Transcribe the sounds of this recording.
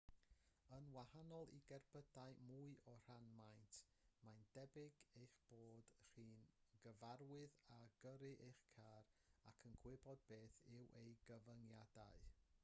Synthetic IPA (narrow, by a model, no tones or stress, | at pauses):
ənwahanɔlˠḭɡɛrbədaɨmuɨɔr̥anmajntʰ | majndɛbɪɡejχb̥oːd̥r̥iːnɡəvaɾwɨðaɡəɾɨʔejχkʰaːɾakʰənɡʰwɪbɔd̚beːθɪwʔejɡəvəŋjada̰ɨ